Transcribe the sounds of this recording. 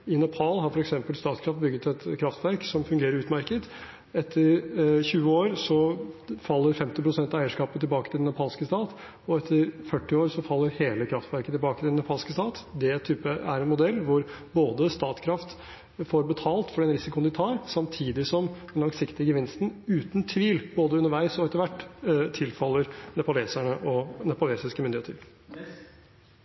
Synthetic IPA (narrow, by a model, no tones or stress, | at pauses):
ɪnɛpʰɑːlhɑɾfɔɾɛksɛmpəlst̪ɑːt̪kʰɾɑft̪̚bʏɡːət̪ʰɛt̪kʰɾɑft̪ʋæɾksɔmfʉŋɡeːɾəɾʉːt̪mæɾkət̪ | ɛt̪ʰːəɾçʉːəoːɾsɔfɑlːəɾfɛmt̪ɪpɾʊsɛnt̪ɑæɪəʂkɑːpət̪ʰɪlbɑːkət̪ʰɪlɛnjɑpʰɑːlskəst̪ɑːt̪ | ɔɛt̪ʰːəɾfœʈːɪoːɾsɔfɑlːəɾheːləkʰɾɑft̪ʋæɾkət̪ʰɪlbɑːkət̪ɪd̪ɛnɑpʰɑːlskəst̪ɑːt̪d̪ɛt̪ʰyːpəæɾɛnmʊd̪ɛlːʋʊɾboːd̪əst̪ɑːt̪kʰɾɑft̪ | foɾbət̪ʰɑːlt̪fɔɾɛnɾɪsɪkʊnɪt̪ʰɑːɾsɑmt̪ʰiːd̪ɪsɔmd̪ɛnlɑŋsɪkt̪ɪəɡəʋɪnst̪n̩ʉːt̪nt̪ʰʋiːlb̥oːd̪əʉnəɾʋæɪsɔɛt̪ːəɾʋæʈːt̪ʰɪlfɑlːəɾnɛpʊleːsæɳəʔɔnɛpʊleːsɪskəmʏnd̪ɪheːt̪əɾ